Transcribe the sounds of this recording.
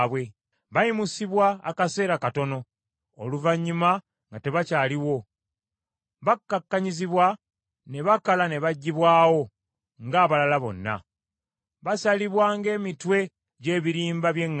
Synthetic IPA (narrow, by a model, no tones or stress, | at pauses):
βwe̞ | βajimusiβwa̰ːkase̞ːɾakato̞no̞ | oluvaɲːuma | ŋɡate̞βacaːliwo̞ | βakːakːaɲiziβwa | ne̞βakalane̞βaɟːiβwaːwo̞ | ŋɡaːβalalaβo̞̰nːa̰ | βasaliβwaːŋɡe̞ːmitwe̞ | ɟe̞ːβiɾiːmbaβje̞ŋː